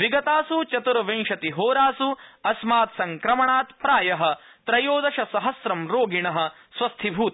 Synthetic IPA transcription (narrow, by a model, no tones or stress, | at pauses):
ʋiɡɐt̪aːsut͡ʃɐt̪uɾɐʋeŋʃɐt̪iɦoːɾaːsuɐsmaːt̪sɐŋkɾɐmɐɳaːt̪pɾaːjɐɦɐ̆ | t̪ɾɐjoːd̪ɐʃɐsɐɦɐsɾɐmɾoːɡiɳɐɦɐ̆ | sʋɐst̪ʰibʱuːt̪